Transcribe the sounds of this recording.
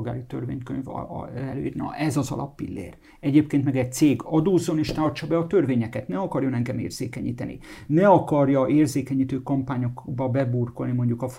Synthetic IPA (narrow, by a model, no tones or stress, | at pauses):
ɡa̰ːɾit̪ø̰rvḛːɲkø̰ɲvɛlø̰ːjiːrnɒ̰ʔɛzɒzɒ̰lɒ̰pːḭlːḛːr | ɛɟeːpkeːnt̪mɛɡɛc̚t̪seːɡɒd̪oːzːo̞neːʃt̪ɒrt͡ʃɒbɛɒt̪ørveːɲɛkɛt̪nɛɒkɒrjonɛŋɡɛmḛːrz̥eːkɛɲḭːt̪ɛnʔḭ | nɛɒkɒrjɒʔeːrzeːkɛɲiːt̪øːkɒmpaːɲo̞kbɒbɛburko̞lnimo̞ɲɟukɒf